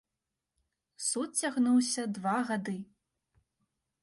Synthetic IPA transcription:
sut̪t͡sʲaɣnuwsʲɐd̪vaɣad̪ɨ

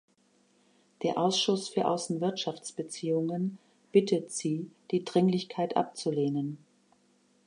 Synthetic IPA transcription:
d̥eːɐʔaʊsʃʊsfyːɐʔa̰ʊsn̩vɪɐtʃaft͡sb̥ət͡siːʊŋən | b̥ɪtʰətz̥iːd̥iːdʁɪŋlɪçkʰaɪtʔa̰p̚t͡suleːnən

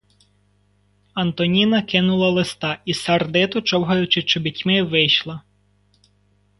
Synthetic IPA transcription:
ɐnt̪ɔnʲinɐkɪnʊlˠɐlˠɪst̪ɑʔisɐrd̪ɪt̪ʊt͡ʃɔwɦɐjʊt͡ʃɪt͡ʃɔbʲitʲmɪʋɪjʃlˠɐ

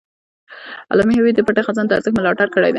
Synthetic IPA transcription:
a̰lɑmihawid̪əpaʈexazɑnd̪aɾzəkmɪlɑʈaɾkəɽa̰jd̪ɛ

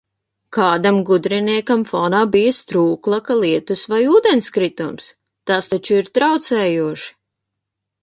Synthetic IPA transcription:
kaːd̪amɡud̪ɾiniɛkamfɔːnaːbijɐst̪ɾuːklˠɐkalˠiɛt̪usvajuːd̪enskɾit̪ums | t̪ast̪at͡ʃuiɾt̪ɾawt̪sɛːjuɔʃi̥

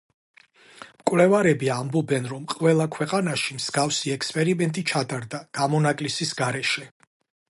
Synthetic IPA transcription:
mkʼwlɛvaɾɛbiambɔbɛnɾɔmqʼwɛlˠakʰwɛqʼanaʃimz̥ɡafsiɛkspʼɛɾimɛnt̪ʼit͡ʃʰat̪ʼaɾd̪aɡ̥amɔnakʼlisisɡaɾɛʃɛ

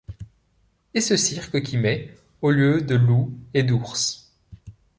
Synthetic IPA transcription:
esəsiʁkəkʲʰimɛ | oljød̪əlued̪uʁs

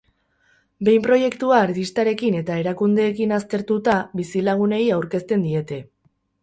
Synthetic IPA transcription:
be̞jmpɾo̞je̞kt̪uaːɾt̪ist̪aɾe̞kine̞t̪ae̞ɾakund̪e̞ːkinast̪e̞ɾt̪ut̪aβisilaɣ̞une̞jawɾke̞st̪e̞nd̪ie̞t̪e̞

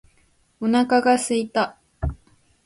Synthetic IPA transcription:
unakakasɨjt̪a

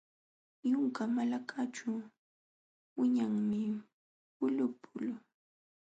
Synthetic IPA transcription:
jʊŋkamalakʰat͡ʃʊ | wɪɲaŋmɪ | pʊlʊpʰʊlʊ

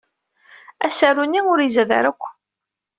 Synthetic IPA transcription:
æsarːuniʊɾizæðə̰ɾəkʷː

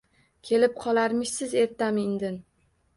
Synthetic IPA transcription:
kʲʰe̞lɪp̚qʰɒlˠaɾmɪʃsɪze̞ɾt̪amɪnd̪ɪn

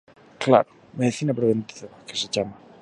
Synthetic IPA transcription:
kla̰ɾo | meðiθinapɾoβent̪iðakeseʝama

